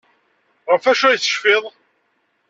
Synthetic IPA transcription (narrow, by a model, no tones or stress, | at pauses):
ʁəfæʃæjθə̥ʃfeðˤ